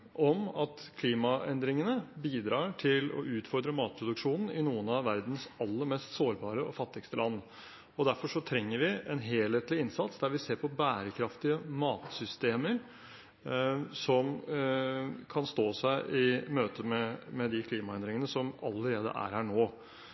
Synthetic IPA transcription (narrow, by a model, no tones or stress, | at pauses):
ʔɔmɑt̪kʰliːmɑɛnd̪ɾɪŋənəbiːd̪ɾɑːʈʰɪlɔ̰ʔʉːt̪fɔɾd̪ɾəmɑːt̪̚pʰɾʊd̪ʉkʂuːnn̩ɪnuːənɑʋæɾd̪n̩sɑlːəɾmɛːst̪soːɾbɑːɾəɔfɑt̪ːɪɡst̪əlʔɑnː | ɔd̪æɾfɔʂɔt̪ʰɾɛŋːəɾʋɪɛnɦeːlheːt̪lɪɪnsɑt̪sd̪æɾʋɪseːɾpɔbæːɾəkʰɾɑft̪ɪəmɑːt̪sʏst̪eːməɾ | sɔm | kʰɑnst̪oːsæɪʔɪmøːt̪əmɛmɛd̪ɪkʰliːmɑɛnd̪ɾɪŋənəsɔmɑ̰ləɾeːd̪ə̰ʔæ̰ːɾhæːɳoː